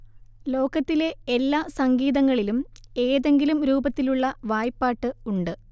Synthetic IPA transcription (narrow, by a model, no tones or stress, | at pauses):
lo̞ːkɐt̪ːile̞elːaːsɐŋɡiːðɐŋːɐɭilume̞ːðe̞ŋɡilumɾuːbɐt̪ːiluɭːɐʋaːjpːaːʈːɨuɳɖɨ